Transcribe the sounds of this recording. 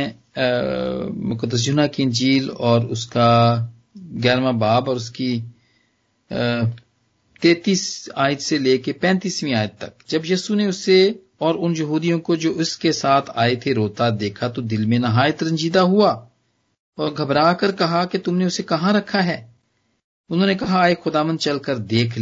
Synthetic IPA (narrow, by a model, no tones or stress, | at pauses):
mʊkəd̪ːəs̬d͡ʒʊnakiɪ̃nd͡ʒiːlɔːɾʊska | ɡɛːɾmabaːbɔːɾʊski | t̪eːt̪iːsaːjət̪seleːkepɛ̃ːnt̪iːsmĩaːjt̪̚t̪ɐ̰kd͡ʒɐbjiːsuneʊsːe | ɔːɾʊnjɐɦuːd̪ijõkod͡ʒoːʊskesaːt̪ʰa̰ːet̪ʰeɾoːt̪ad̪eːkʰat̪od̪ɪlmẽnɐɦaːɪət̪ɾɐ̃ɲd͡ʒiːd̪aɦuaː | ɔːɾɡʱɐbɾaːkəɾkɐɦaket̪ʊmneʊsekɐɦãɾɐkʰːaɦɛː | ʊnɦõːnekɐɦaːexʊd̪aːʋə̃nd̪̚t͡ʃɐlkəɾd̪eːkʰl